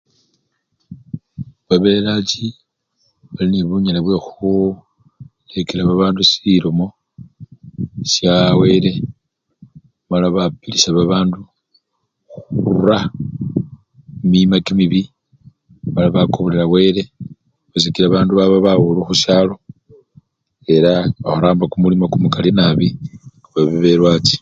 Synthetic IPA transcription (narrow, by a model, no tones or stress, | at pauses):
βaβelat͡ʃi | βaliniβuɲalaβwe̞xu | lekelaβaβaːndusiɾomo̞ | sjawe̞ɾe̞ | malaβapilisaβaβaːndu | xuɾuɾa | mimakimiβi | malaβakoβoleɾawe̞ɾe̞ | βasikiɾaβaːnduβaβaβawuluxuʃaːlo̞ | e̞ɾaβaxuɾaːmbakumulimakumukalinaβi | βaβiβe̞ɾwat͡si̥